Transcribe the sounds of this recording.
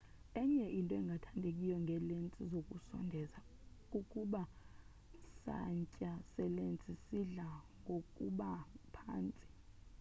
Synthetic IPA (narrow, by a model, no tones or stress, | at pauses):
ɛɲɛʔintʼɔɛŋɡʱatʰandʱekʼijɔŋɡʱɛlent͡sʼizokʼusɔ̰ndʱɛzakʼukʼuɓa | sa̰ɲcʼasɛlent͡sʼisiɮaŋɡʱokʼṵɓapʰa̰ːnt͡sʼi̥